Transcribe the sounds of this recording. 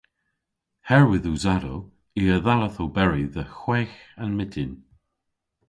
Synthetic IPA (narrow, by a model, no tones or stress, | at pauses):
hɛɹwɪðuzaɾow | iəðaləθowbɛɹiðəxwɛːxanmɪtʰɪn